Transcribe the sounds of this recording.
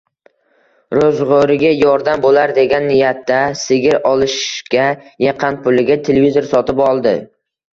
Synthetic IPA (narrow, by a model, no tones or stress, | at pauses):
ɾozʁoɾɪɡʲajɒɾd̪ambolaɾd̪e̞ɡʲanːɪjat̪ːasɪɡʲɪɾɒlˠɪʃkʲajeqʰɑnpʰʊlɪɡʲat̪ʰelevizo̞ɾsɒt̪ɪpɒlˠd̪ɪ